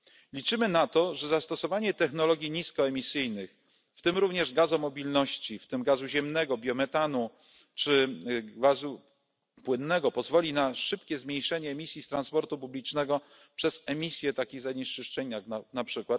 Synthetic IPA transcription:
lʲit͡ʂɘmɘnat̪ɔʐɛzast̪ɔsɔvaɲɛt̪ɛxn̪ɔlɔɡʲjiɲiskɔɛmʲisɘjnɘx | ft̪ɘmɾuvɲɛʐɡazɔmɔbʲilnɔɕt͡ɕift̪ɘmɡazuʑɛmnɛɡɔbʲjɔmɛt̪anu | t͡ʂɘɡvazu | pwɘnːɛɡɔpɔzvɔlʲinaʂɘpkʲɛzmʲejʂɛɲɛːmʲisʲjist̪ɾanspɔɾt̪upublʲit͡ʂnɛɡɔ | pʂɛz̥ɛmʲisʲjɛt̪akʲiɣzaɲeʂt͡ʂɘʂt͡ʂɛɲjak̪anapʂɘkwat̪

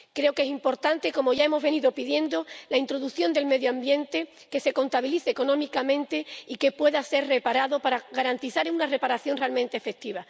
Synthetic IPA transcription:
kɾe̞oke̞simpo̞ɾt̪ant̪e̞ko̞mo̞ʝae̞mo̞zβe̞niðo̞piðje̞nd̪o̞laint̪ɾo̞ðuθjo̞nd̪e̞lme̞ðjoambje̞nt̪e̞ | kese̞ko̞nt̪aβiliθeːko̞nõ̞mikamẽ̞nt̪e̞ike̞pwe̞ðase̞ɾre̞paɾaðo̞paɾaɣaɾant̪iθaɾunare̞paɾaθjo̞nrealmẽnt̪eːfe̞k̚t̪iβa

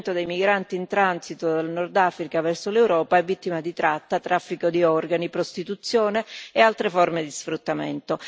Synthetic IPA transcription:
nt̪od̪ejmiɡɾant̪iːnt̪ɾansit̪od̪alnɔrd̪afɾikavɛrsolewɾɔːpaɛvːit̪ːimad̪it̪ɾat̪ːat̪ɾafːikod̪iɔrɡanipɾost̪it̪ut̪sːjoːneːalt̪ɾefɔrmed̪isfɾut̪ːamḛnt̪o

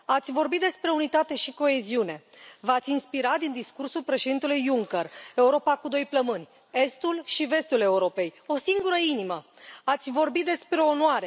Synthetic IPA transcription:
at̪sʲvo̞rbit̪̚d̪e̞spɾe̞unit̪at̪e̞ʃiko̞e̞ziune̞ | vat̪sʲinspiɾat̪d̪ind̪iskursulpɾe̞ʃe̞d̪int̪e̞lujːuŋkere̞uɾo̞pakud̪o̞jpləmɨnʲ | e̞st̪ulʃive̞st̪ule̞uɾo̞pe̞jo̞siŋɡuɾəiniməat̪sʲvo̞rbit̪̚d̪e̞spɾe̞onwaɾe̞

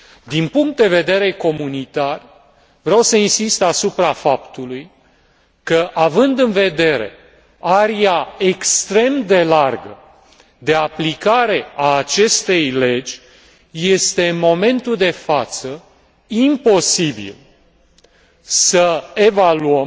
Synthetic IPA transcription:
d̪inpuŋk̚t̪̚d̪e̞ve̞d̪e̞ɾe̞ko̞munit̪ar | vɾeawsəinsist̪asupɾafapt̪uluj | kəʔavɨnd̪ɨnve̞d̪e̞ɾe̞̰ | aɾiaekst̪ɾe̞md̪e̞larɡə | d̪e̞aplikaɾe̞aːt͡ʃe̞st̪e̞jle̞d͡ʒʲ | je̞st̪e̞ɨnmo̞me̞nt̪uld̪e̞fat̪sə | impo̞sibḭl | səe̞valuəm

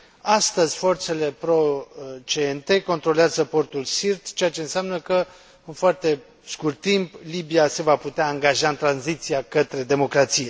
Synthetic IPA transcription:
ast̪əzʲfo̞rt̪se̞le̞pɾo̞t͡ʃent̪e̞ko̞nt̪ɾo̞leazəpo̞rt̪ulsirt̪t͡ʃe̞at͡ʃe̞ɨnseamnəkə | ɨnfoart̪e̞ | skurt̪ːimplibijase̞vaput̪eaːŋɡaʒaɨnt̪ɾanzit̪siakət̪ɾe̞d̪e̞mo̞kɾat̪sije̞

